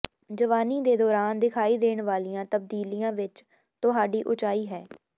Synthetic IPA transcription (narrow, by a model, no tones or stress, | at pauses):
d͡ʒəʋaːniːd̪eːd̪ɔːɾaːnd̪ɪkʰaːiːd̪eːɳʋaːlijãːt̪əb̚d̪iːlijãːʋɪt͡ʃ | t̪ʊɦaːɖiːʔʊt͡ʃaːiːɦɛː